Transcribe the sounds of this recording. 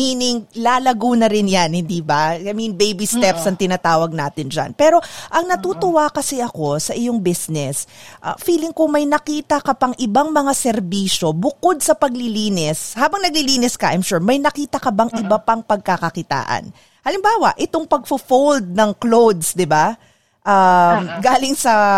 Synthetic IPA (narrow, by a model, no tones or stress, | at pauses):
minɪŋlaːlɐɡuːnɐɾɪnjanhɪnd̪iːbaaminbejbist̪ɛpsɐŋt̪ɪnaːt̪aːwɐɡ̚naːt̪ɪnd͡ʒa̰npɛɾo̞ʔɐŋnɐt̪uːt̪ʊwakɐsɛʔɐko̞sɐʔɪjoŋbɪsnɛsʔɐ̰fiːlɪŋkʊŋmɐjnɐkiːt̪ɐkɐpɐŋʔɪbaŋmɐŋasɛɾbiːʃo̞bʊko̞d̪̚sɐpɐɡ̚lɪliːnɪshaːbɐŋnɐɡ̚lɪliːnɪskɐʔa̰jmʃuɹmɐjnɐkiːt̪ɐkɐbaŋʔɪbɐpaŋpɐɡ̚kɐkɐkɪt̪a̰ːʔɐ̰n | hɐlɪmbaːwɐʔɪt̪o̞ŋpɐɡ̚fʊfowld̪̚nɐŋklowd̪sd̪ɪba | ʔamɡaːlɪŋsɐ